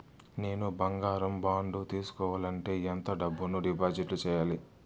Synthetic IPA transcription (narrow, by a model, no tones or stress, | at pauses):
ne̞ːnubɐŋɡaːɾɐmbaːɳɖut̪iːsu̥kɔːʋaːlɐɳʈe̞ːent̪ɐɖɐbːunuɖipaːd͡ʒiʈlut͡ʃɛːjaːli